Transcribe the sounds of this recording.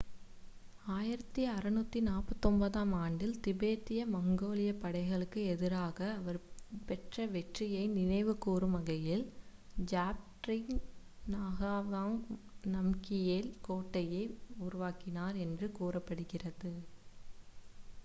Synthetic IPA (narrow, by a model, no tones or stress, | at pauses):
aːjɪɾɐt̪ːiɐɾɐnut̪ːinaːpːɐt̪ːɔmbɐðaːmaːɳɖɪlt̪ɪbeːt̪ːɪjɐmɐŋɡoːlɪjɐpːɐɽɐɪɣɐɭɯkːɯɛðɪɾaːɣɐːʋɐɾpɛʈrɐʋɛʈrɪjɐɪnɪnɐɪʋɯkːuːrɯmɐɣɐjɪld͡ʒaːp̚ʈɾɪŋnaːɣaːʋaːŋnɐmkɪjeːlkoːʈːɐjɐɪʊɾʊʋaːkɪnaːɾɛndrɯkuːrɐpːɐɽɯɣɪrɐðɯ